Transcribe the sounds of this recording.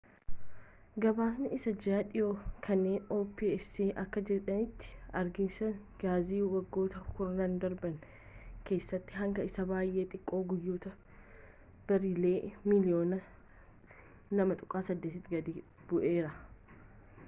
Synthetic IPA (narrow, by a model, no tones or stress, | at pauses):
ɡɐbaːsnɪʔɪsɐd͡ʒaːᶑɪoːkʰɐnːeːnoːpiːɛsiːʔɐkːɐd͡ʒɛᶑɐnɪt̪ːɪ̥ɐɾɡɪnsɐn | ɡ̥aːziːwɐɡːo̞ːt̪ɐkʊɾɐnaːnd̪ɐɾbɐŋ | ke̞ːsːɐt̪ːɪɦɐŋɡɐɪsɐbaːjʔe̞ːt̪ʼɪkʼːo̞ːɡʊjːoːt̪ɐ | b̥ɐɾɪle̞ːmɪlɪjo̞ːnɐ | nɐmɐt̪ʼʊ̥kʼːaːsɐd̪ːet̪ɪt̪ːɪɡɐd̪iː | b̥ʊʔe̞ːɾɐ